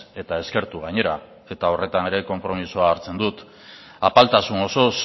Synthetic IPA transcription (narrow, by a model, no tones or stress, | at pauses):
e̞t̪ae̞ske̞ɾt̪uɣ̞aɲe̞ɾa | e̞t̪ao̞re̞t̪aneɾe̞ko̞mpɾo̞misoaːɾt͡se̞nd̪ut̪ | apalt̪asuŋo̞so̞s